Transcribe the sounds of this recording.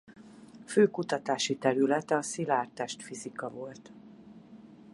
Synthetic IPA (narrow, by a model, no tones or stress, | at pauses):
føːkut̪ɒt̪aːʃit̪ɛɾylɛt̪ɛɒsilaːrt̪ɛʃt̪fizikɒvo̞lt̪